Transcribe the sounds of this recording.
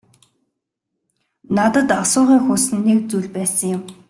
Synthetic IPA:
nat̪ə̆t̪asʊːʁiːŋxusɘ̆nːek̚t͡suɮʲpæːsə̆ŋjʊm

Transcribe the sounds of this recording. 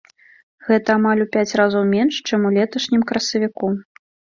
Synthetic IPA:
ɣɛt̪ɐːmalʲupʲat͡sʲɾazɐwmʲɛnʂt͡ʂɛmulʲɛt̪ɐʂnʲimkɾɐsɐvʲiku

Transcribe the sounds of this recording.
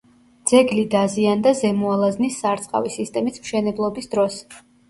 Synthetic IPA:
d̪z̥ɛɡlid̪aziand̪azɛmualˠaznisːaɾt̪sʼqʼa̰visist̪ʼɛmismʃɛnɛblˠɔbisd̪ɾɔs

